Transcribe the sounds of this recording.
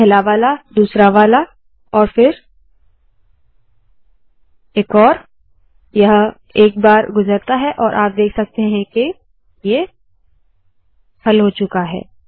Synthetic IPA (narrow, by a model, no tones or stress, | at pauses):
ɛɦlaʋaːlad̪uːsɾaʋaːla | ɔːɾfɪɾ | eːkɔːɾ | jɐɦ | eːk̚baːɾɡʊzəɾt̪aɦɛʔɔːɾʔaːp̚d̪eːkʰsɐk̚t̪eɦɛ̃ke | je | hɐlɦot͡ʃʊkaɦɛ̰ː